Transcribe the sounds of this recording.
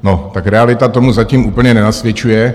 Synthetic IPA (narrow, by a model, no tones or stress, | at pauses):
not̪akɾɛalɪt̪at̪o̞muzaciːmʔuːpl̩ɲɛnɛnasvjɛt͡ʃujɛ